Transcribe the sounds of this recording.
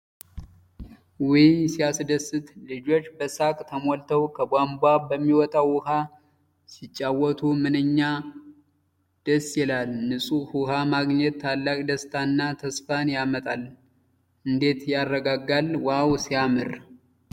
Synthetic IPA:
wimsijasd̪əsːɨt̪lɨd͡ʒo̞t͡ʃːbəsakʼt̪ʰəmolt̪ʰəwkʰəbʷambʷabəmːiwɔt̪ʼawwʊha | sɪt͡ʃʼːawɔt̪ʰumɨnɨɲːa | d̪̥əsːjɛlalnɨsʼuhuhamaɡɲɛt̪ːʰalːakʼd̪əst̪ʰanːat̪ʰəsfanjamət̪ʼal | ʔɨnd̪e̞t̪jarːəɡaɡalwawsijamɨɾ

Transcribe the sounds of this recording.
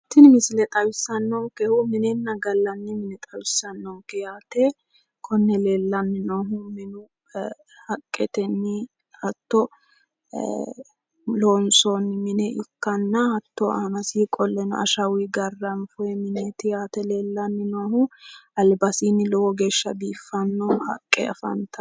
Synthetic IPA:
t̪ːɪnmɪsɪlɛt̪ʼɐwɪsːɐnːɔwkɛhʊmɪnɛnːɐɡɐlːɐnːɪmɪnɛt̪ʼɐwɪsːɐnːɔwkɛjaːt̪ɛ | kʰɔnːɛle̞ːlːɐnːɪnoːɦʊmɪnʊ | hɐkʼːɛt̪ɛnːɪ | hɐt̪ːɔ | loːnsonːɪmɪnɛʔʊkːɐnːɐhɐt̪ːɔa̰nɐsiːkʼɔlːɛnɔ̰ɐ̰ʃɐwiɡɐrːɐmfʊɛmɪnɛt̪ɪjaːt̪ɛle̞ːlːɐnːɪnoːɦʊʔɐlbɐsiːnːɪlɔwɔɡeːʃːɐbiːfːɐnːɔhɐ̰kʼːɛ̰ɐfɐ̰nt̪ʰɐ

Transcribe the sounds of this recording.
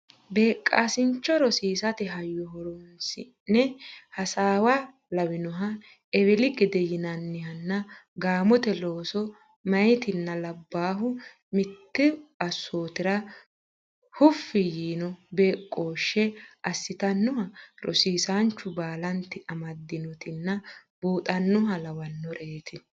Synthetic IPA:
beːkʼːaːsɪnt͡ʃːɔɾɔsiːsɐt̪ɪɦɐjːɔɦɔɾɔnsɪ | nnɛhɐsaːwɐ | lɐwɪnɔɦɐ | ɛwɛlɪɡɪd̪ɛjɪnɐnːɪhɐnːɐɡaːmɔt̪ɛlo̞ːsɔ | mɐjt̪ɪnːɐlɐbːaːɦʊ | mɪt̪ːɪbɐsːoːt̪ɪɾɐ | hʊfːɪjiːnɔbeːkʼːo̞ːʃːɛʔɐsːɪt̪ɐnːʊhɐɾɔ̰siːsant͡ʃːʊbaːlɐnt̪ɪʔɐmɐd̪ːɪnɔt̪ɪnːɐbuːt̪ʼɐnːʊɦɐlɐwɐnːɔɾeːt̪ɪ

